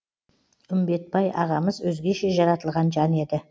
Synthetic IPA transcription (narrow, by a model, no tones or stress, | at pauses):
ʏmbe̞t̪̚bɑjʔɑʁɑməzwɵzɡʲe̞ʃe̞ʒɑɾɑt̪əlˠʁɑnʒɑne̞d̪ɪ